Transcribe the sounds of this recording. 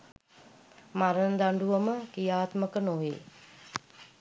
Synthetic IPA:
maɾənd̪aɳɖuʋəməkijaːt̪məkənoɦḛ

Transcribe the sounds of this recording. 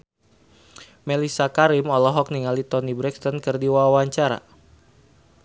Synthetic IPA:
mɛlisakaɾimɔlɔɦɔk̚niŋalit̪ɔnibɾɛkst̪ɔnkɨrdiwawaɲt͡ʃaɾa̰

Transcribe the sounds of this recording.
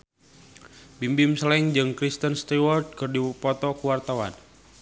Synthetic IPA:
bimbimsəlɛŋd͡ʒɨŋkɾist̪ənst̪iwɔrd̪̚kɨrdipɔt̪ɔkuwart̪awa̰n

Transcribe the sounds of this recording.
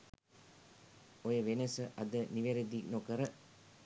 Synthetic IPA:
ojəʋenəsəʔɐd̪əniʋeɾed̪iknokəɾə

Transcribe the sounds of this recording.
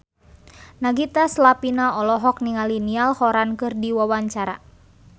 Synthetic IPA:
naɡit̪aslapinaɔlɔɦɔk̚niŋalinialhɔɾankɨrdiwawaɲt͡ʃaɾa̰

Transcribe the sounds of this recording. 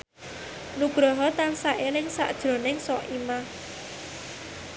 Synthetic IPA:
nuɡ̥ɾɔɦɔt̪ansaʔelɪŋsa̰ʔd̥ʒ̥ɾo̤nɪŋsɔʔima

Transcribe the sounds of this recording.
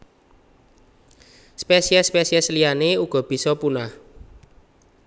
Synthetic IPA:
spesiɛspesiɛslijaneuɡ̥ɔ̤b̥i̤sɔpunah

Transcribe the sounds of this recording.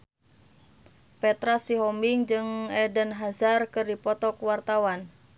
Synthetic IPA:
pɛt̪ɾasiɦɔmbiŋd͡ʒɨŋɛdənɦazarkɨrdipɔt̪ɔkwart̪awan

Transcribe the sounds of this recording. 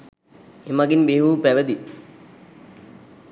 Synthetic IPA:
imɐɡinbeɦuːpeʋɐd̪i

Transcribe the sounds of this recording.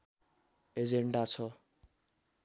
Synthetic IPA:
ed͡zeɳɖat͡sʰʌ

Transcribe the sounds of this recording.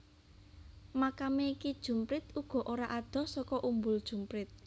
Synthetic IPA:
makameikid̥ʒ̥ṳmpɾɪt̪uɡ̥ɔ̤ʔoɾaʔad̪̥ɔ̤sɔkɔʔumbʊld̥ʒ̥ṳmpɾɪt̪̚

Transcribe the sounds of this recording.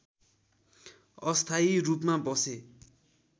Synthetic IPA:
ʌst̪ʰaiɾupmabʌse

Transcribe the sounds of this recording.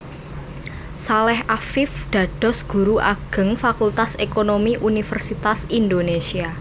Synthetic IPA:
salɛhafɪfɖ̪̥ä̤ɖ̥ɔ̤sɡ̥ṳɾuʔaɡ̥ə̤ŋfakult̪asekonomiʔunifərsit̪asind̪onesia

